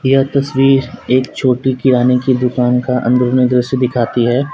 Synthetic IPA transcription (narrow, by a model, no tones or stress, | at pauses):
jɐɦt̪ɐswiːɾeːkt͡ʃʰoːʈikɪɾaːnekid̪ʊkaːnkaʔɐ̰̃nd̪ɾənəd̪ɾɪsd̪ɪkʰaːt̪iɦɛː